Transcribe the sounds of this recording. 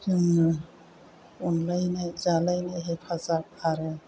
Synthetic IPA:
kɯŋɯ | unlajnajzalajnajɦepʰazak̚aɾɯ

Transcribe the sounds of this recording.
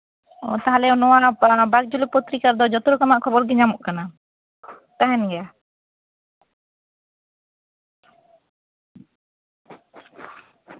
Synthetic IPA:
ɔ̰t̪aɦalɛɔnɔwabaɡ̚d͡ʒulipɔt̪ɾikaɾd̪ɔd͡ʒɔt̪ɔɾukamaʔkʰɔbɔɾɡɛɲamɔʔkana | t̪aɦɛnɡɛja

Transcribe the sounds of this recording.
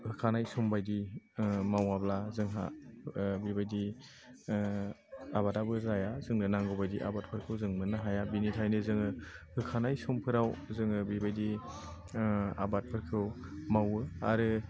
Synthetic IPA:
hɯkʰanajsumbajdi | mawablazɯŋɦa̰ | bibajdi | abatabɯɾajazɯŋnɯnaŋɡɔbajdiʔa̰bat̚pʰɯɾkʰɯwzɯŋnɯnaɦajabinitʰajnɯzɯŋɯhɯkʰanajsumpʰɯɾawzɯŋɯbibajdi | a̰bat̚pʰɯɾkʰɯwmawɯa̰ɾɯ

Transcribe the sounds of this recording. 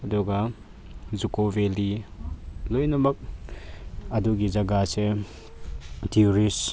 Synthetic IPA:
ɐdɔɡa | zukobeli | lojnɐmɐk̚ | ɐduɡid͡ʒɐɡase | tiuɾis

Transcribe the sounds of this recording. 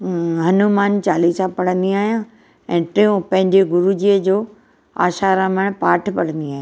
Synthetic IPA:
ɦɐnumaːnt͡ɕaːlisãpɐɽ̤ə̃nd̪iaːɦijã | ɛ̃ːʈɾiõpɐ̃ɦɪ̃ɲd͡ʑeɡʊɾud͡ʑiəd͡ʑoː | a̰ːʃaːɾãməɽ̃paːʈʰpɐɽə̃nd̪iaːɦjãː

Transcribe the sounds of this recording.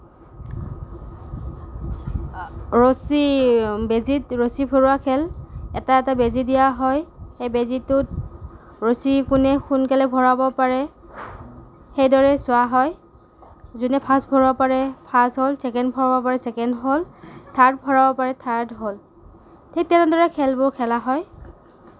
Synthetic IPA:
ɹosibezitɹosibʰʱoɹʊakʰɛlɛtaɛtabezidijaɦɔjxejbezitʊt̚ | ɹosikunɛxunkɛlɛbʱɔɹabɔpaɹɛ | xejdɔɹɛsʊaɦɔj | zunɛpʰasbʱɔɹʊapaɹɛpʰasɦolsɛkɛndbʱɔɹabɔpaɹɛsɛkɛndɦoltʰaɹd̚bʱɔɹabɔpaɹɛtʰaɹdɦol | tʰektɛnɛdɔɹɛkʰɛlbʊɹkʰɛlaɦɔj

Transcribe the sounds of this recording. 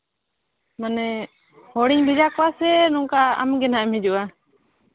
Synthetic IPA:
manɛ | hɔɽiɲbid͡ʒakɔwasɛnɔŋkaa̰mɡɛnaʔɛmhɛd͡ʒuʔa

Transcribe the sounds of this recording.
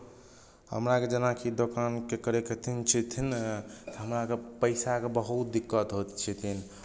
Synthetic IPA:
hə̰mɾaked͡ʒənakʰid̪okankekəɾeket̪ʰint͡ʃʰit̪ʰint̪əɦəmɾakepəɪsakebəɦut̪̚d̪ikːət̪ɦot̪t͡ʃʰit̪ʰin

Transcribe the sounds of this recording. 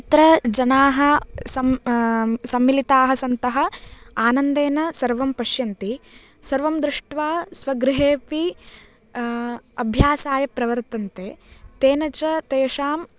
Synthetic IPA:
t̪ɾɐd͡ʒɐnaːɦɐ̆sɐm | sɐmːilit̪aːɦɐ̆sɐnt̪ɐɦɐ̆aːnɐnd̪eːnɐsɐɾʋɐmpɐʃjɐnt̪i | sɐɾʋɐmd̪ɾuʂʈʋaːsʋɐɡɾɪɦeːpi | ɐbʱjaːsaːjɐpɾɐʋɐɾt̪ɐnt̪eːt̪eːnɐt͡ʃɐt̪eːʂaːm

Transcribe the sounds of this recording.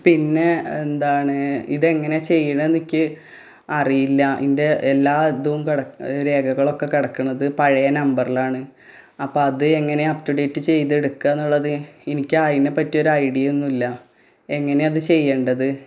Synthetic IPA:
pinːe̞end̪aːɳɨḭðe̞ŋːɐne̞t͡ɕe̞jːɐɳɐenikʲːɨ | ɐrijilːɐinde̞ʔelːaːet̪ːuʋumkiɽɐɾe̞ːɡɐɣɐɭo̞kːe̞kiɽɐkːuɳɐðɨpɐɻɐjɐnɐmbɐrilaːɳɨ | ɐpːoːɐðɨeŋːɐne̞ɐptuɽeːtːɨt͡ɕe̞jt̪eɽukːaːnːuɭːɐðɨenikʲːaːjinːepɐtːijo̞ɾuɐjɽijɐonːilːɐ | e̞ŋːɐne̞ɐðɨt͡ɕe̞jːeːɳɖɐðɨ

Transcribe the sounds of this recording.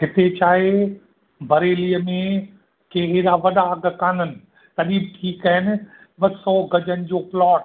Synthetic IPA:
ɦɪt̪et͡ɕaːɦe | bʱɐɾeːlijəmẽ | keːɦɪɾaʋɐɗaɐɡʱkaːnənɪ̆ | t̪ɐɗiːbʈʰiːkɐɦɪnɪ̆ | ɓɐsɔːɡɐd͡ʑənɪ̆d͡ʑoːplɔːʈ̚

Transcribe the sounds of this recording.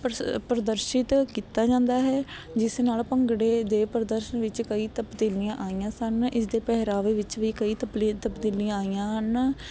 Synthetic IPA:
ppɾəd̪əɾʃɪt̪kiːt̪aːd͡ʒãːnd̪aːɦɛː | d͡ʒɪsnaːlpəŋɡɽeːd̪eːpəɾəd̪əɾʃənʋɪt͡ʃkəiːt̪əpd̪eːlijãːʔaːijãːsənɪs̬d̪eːpɛɦɾaːʋeːʋɪt͡ʃʋiːkəiːt̪əplːt̪əpd̪eːliãːaːijãːən

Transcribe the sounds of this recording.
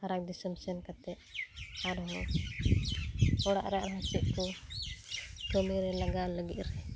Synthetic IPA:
haɾak̚d̪isəmsɛnkat̪ɛʔaɾɦɔ | ɔɽaʔɾaʔɾat͡ʃiʔ̚kɔ | kəmiɾɛlaɡaləɡiʔɾɛ

